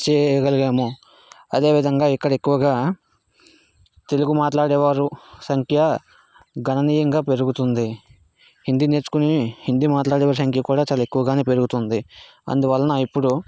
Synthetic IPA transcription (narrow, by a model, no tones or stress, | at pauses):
t͡ʃeːjjɐɡɐliɡeːmo | ɐd̪e̞ːʋid̪ʱɐŋɡaːikːɐɽɐekːuʋɐɡaː | t̪e̞luɡumaːʈlaːɽɛːʋaːɾusɐŋkʰjɐ | ɡɐnɐniːjɐŋɡaːpe̞ɾuɡut̪und̪i | hind̪iːne̞ːɾt͡ʃu̥kunihind̪imaːʈlaːɽɛːʋaːɾusɐŋkʰjɐkuːɽaːt͡ʃaːlaɐekːuʋɐɡaːneːpe̞ɾuɡut̪und̪i | ɐ̰nd̪uʋɐlːɐnɐipːuɽu